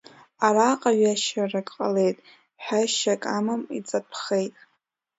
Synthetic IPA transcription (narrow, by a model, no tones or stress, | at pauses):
aɾaqʼaɥaʃarɨkʼqʼale̞jtʼ | ħᶣaʃakʼamamit͡sʼapʰχe̞jtʼ